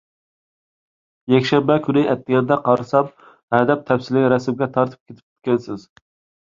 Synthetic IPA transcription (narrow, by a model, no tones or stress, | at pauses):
jɛkʲʃɛmbɛkʲʰyɾɪʔɛt̪ːɪɡʲɛɾd̪ɛqʰɑɾɨsɑm | hɛd̪ɛp̚t̪ʰɛfsɪlɪɡʲɾɛsɪmɡʲɛt̪ʰɑɾt̪ʰɨ̥p̚kʲʰet̪ʰɪ̥pkʲʰe̥t̪ʲkʲɛnsɪz̥